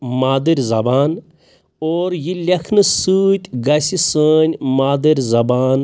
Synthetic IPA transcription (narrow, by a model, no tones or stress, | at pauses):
maːd̪ɨɾʲzɐbaːn | oːɾjilʲɐkʰnɨsuːt̪ʲɡɐsʲisəːnʲmaːd̪əɾʲzɐbaːn